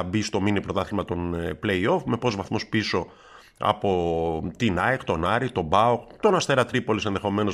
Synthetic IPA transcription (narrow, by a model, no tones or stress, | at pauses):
bist̪o̞minipɾot̪ɐθilmɐt̪o̞nple̞io̞fme̞po̞zvɐθmospiso̞ | ɐ̰po̞t̪inɐjkt̪o̞nɐɾit̪o̞bɐokt̪o̞nɐst̪e̞ɾɐt̪ɾipo̞lise̞nðe̞xo̞me̞no̞